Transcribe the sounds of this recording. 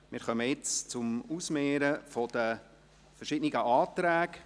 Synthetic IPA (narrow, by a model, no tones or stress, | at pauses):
mɪɾχœməjɪt͡st͡sʊmusmeːɾəfɔd̥̪ə | fəɾʃɪdniɡəʔɑːt̪ɾæːk